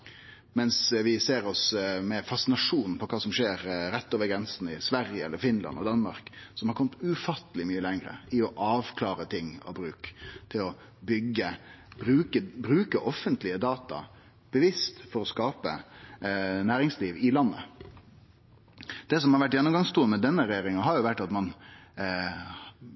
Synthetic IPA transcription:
mɛnsʋɪseːɾɔsmɛfɑsɪnɑʂuːnn̩pʰɔkʰɑːsɔmʂeːɾɾɛt̪ːoːʋəɾɡɾɛnsn̩ɪsʋæɾjəɛlːəɾfɪnlɑ̰nɔ̰d̪ɑnmɑ̰ɾksɔmhɑɾkɔmːət̪ʉfɑt̪ːəlɪmyːəlæŋɾə̰ɪɔʔɑːʋkʰlɑːɾət̪ʰɪŋːɑ̰bɾʉːkt̪ʰɪlɔ | bʏɡːə | b̥ɾʉːkəbɾʉːkəʔɔfːənt̪lɪəd̪ɑːt̪ɑ̰ | b̥əʋɪst̪fɔɾɔskɑːpə | næːɾɪŋsliːʋɪlɑnːə̰ | d̪̥ɛs̬ɔmhɑɾʋæʈːjɛnːʊmɡɑŋst̪uːənmɛd̪ɛnːəɾɛjeːɾɪŋəɦɑɾjʊʋæʈːɑt̪mɑn

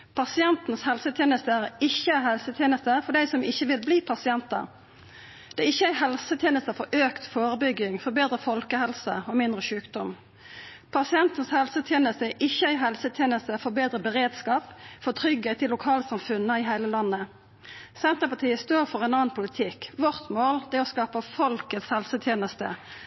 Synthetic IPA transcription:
pʰɑsɪɛnt̪n̩shɛlsət̪ʰjeːnəst̪əæʁɪçːəæhɛlsət̪ʰjeːnəst̪əfɔɖ̪æɪsɔmɪçːəʋɪlbliːpʰɑsɪɛnt̪ə̰ʁ | d̪̥ɛɪçːəæɦɛlsət̪ʰjeːnəst̪əfɔɾʔøːkt̪foːʁəbʏɡːɪŋfɔbeːd̪ɾəfɔlkəhɛlsəɔmɪnd̪ʁəʃʉːkd̪ɔm | pʰɑsɪɛnt̪ən̩shɛlsət̪ʰjeːnəst̪əʔɪçːəæɪɦɛlsət̪ʰjeːnəst̪əfɔbeːd̪ʁəbəʁeːd̪skɑːpfɔʁt̪ʰʁʏɡɛɪt̪ːɪlːʊkʰɑːləsɑmfʉnːəɪɦæɪləlɑnːə | sɛnt̪əpɑt̪ʰiːəst̪oːʁfɔʁɛɪnɑːnpʰʊlɪt̪ʰɪkʋɔʁt̪moːld̪ɛɔskɑːpəfɔlkət̪shɛlsət̪ʰjeːnəst̪ə̰

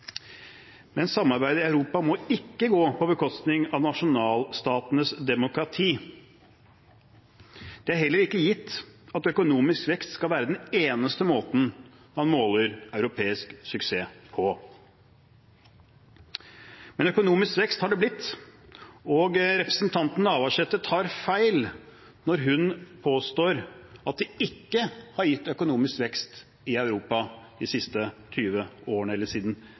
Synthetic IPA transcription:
mɛnsɑmːɑɾbæɪd̪ɪɑʉɾuːpɑmɔɪkːəɡoːpʰɔbəkʰɔst̪nɪŋɑʋnɑʂʊnɑːlst̪ɑːt̪ənəsd̪ɛmʊkɾɑt̪ʰiː | d̪̥ɛæɾhɛlːəɾɪkːəjɪt̪ːɑt̪œkʊnuːmɪskʋɛkst̪skɑlʋæːɾəd̪ɛneːnəst̪əmoːt̪n̩ | hɑnmoːləɾɑʉɾʊpʰeːɪsksʏkseːpʰɔ | mɛnœkʊnuːmɪskʋɛkst̪hɑɖɛblɪt̪ː | ɔɡɾɛpɾəsn̩t̪ʰɑnt̪n̩ɑːʋɑʂɛt̪ːət̪ʰɑːɾfæɪl | nɔɾɦʉnpʰoːst̪oːɾɑt̪̚d̪ɛɪkːəhɑɾjɪt̪ːœkʊnuːmɪskʋɛkst̪ | ɪɑʉɾuːpɑd̪ɪsɪst̪ət̪ʰyːʋəoːəɳəɛlːəʂiːd̪n̩

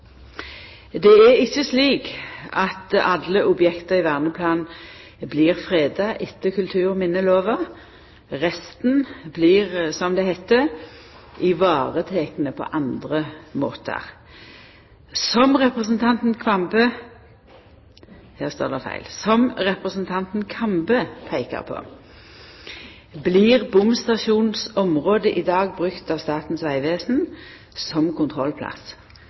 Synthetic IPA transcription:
d̪ɛæɪçːəsliːkɑt̪ʔɑlːəʔʊbjɛkt̪əʁɪʋæʁnəpʰlɑːnn | bliːʁfʁeːd̪ɑʔɪt̪ːəkʰʉlt̪ʰʉːʁmɪnːəloːʋɑ | ʁɛst̪n̩bliːʁsɔmd̪ɛhɛt̪ːə | ɪʋɑːʁət̪ʰeːkənəpʰɔ̰ʔɑnd̪ʁəmo̰ːt̪ʰə̰ʁ | sɔmʁɛpʁəsnt̪ʰɑnt̪n̩kʰʋɑmbə | hæːst̪o̰ːd̪ɛfæ̰ɪlsɔmʁɛpʁəsn̩t̪ʰɑnt̪n̩kʰɑmbəpʰæɪkə̰ʁpʰo̰ː | bliʁbʊmst̪ɑʃuːnnsɔmʁoːd̪əʔɪd̪ɑːɡ̚bʁʉkt̪ɑʋst̪ɑːt̪n̩sʋæɪʋeːsn̩ | sɔmkʰʊnt̪ʰʁɔlpʰlɑ̰s

